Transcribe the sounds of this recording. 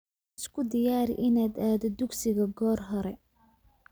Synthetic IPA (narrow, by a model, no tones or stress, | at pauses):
ɪskʰʊd̪ɪjaːɾɪ̰ʔɪnaːd̪aːðɔd̪ʊɡsɪɣɐɡɔːrɦɔɾɛ